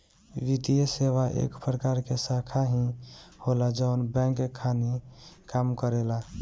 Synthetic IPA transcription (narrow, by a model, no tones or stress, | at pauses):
ʋid̪ijəsewaʔḛkpɾəkaɾkesakʰaɦĩholad͡ʒəʊnbɛ̃ŋkekʰanikamkəɾela